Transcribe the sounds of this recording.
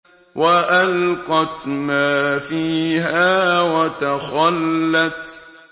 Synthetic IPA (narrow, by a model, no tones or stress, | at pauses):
wʔaʔalqɑt̪maːfiːɦaːwat̪axɑlːat̪